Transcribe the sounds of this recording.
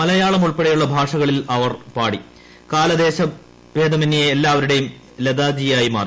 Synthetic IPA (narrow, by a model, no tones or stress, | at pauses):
mɐlɐjaːɭɐmuɭpeɽɐjuɭːɐbʱaːʂɐɣɐɭilɐʋɐrpaːɽi | kaːlɐd̪e̞ːɕɐ | ʋeːd̪ɐminːijeːlːaːʋɐɾuɽejum | led̪aːd͡ʑijaːjima̰ːri